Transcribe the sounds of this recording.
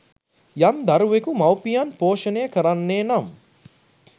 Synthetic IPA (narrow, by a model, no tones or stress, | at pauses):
jamd̪aɾuʋekumawpijanpoːʃənejəkəɾanːeːnam